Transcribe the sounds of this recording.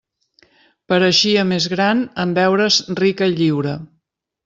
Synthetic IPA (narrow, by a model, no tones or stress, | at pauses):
pəɾəʃiəmezɣɾanəmbɛwɾəzrikəiʎiwɾə